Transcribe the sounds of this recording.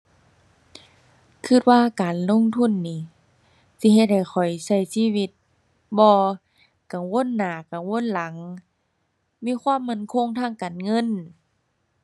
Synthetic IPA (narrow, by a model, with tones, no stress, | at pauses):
kʰɯ˧˩t̪̚waː˧˨kaː˨nlo˧˨ŋt̪ʰu˧˥˨nːiː˧˦ | si˧˦ɦe˧t̪̚ha˨˩jxʰɔ˨˩jsa˧˩jsiː˧˥˨wi˧t̪̚ | bɔː˧ | ka˨˩ŋwo˧˥˨nːaː˨˩˦ka˨˩ŋwo˧˥˨nla˨˦ŋ | miː˧˥˨kʰwaː˧˥˨mːa˧˩˨nkʰo˧˥˨ŋt̪ʰaː˧˥˨ŋkaː˨nŋɤ˧˥˨n